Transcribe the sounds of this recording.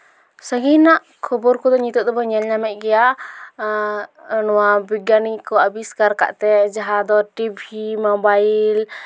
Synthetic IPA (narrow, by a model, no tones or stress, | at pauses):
səɡinaʔ | kʰɔbɔɾkɔd̪ɔɲit̪ɔd̪ɔbɔɲɛlɲamɛʔ̪̚ˀɡɛja | nɔwabiɡanikɔabiskaɾka̰ʔt̪ɛd͡ʒaɦad̪ɔʈibʱimɔbail